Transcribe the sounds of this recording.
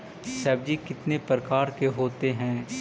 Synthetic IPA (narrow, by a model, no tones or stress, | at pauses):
sɛːbd͡ʒikɪt̪nepɾəkaːɾkeɦoːt̪eɦɛ̃ː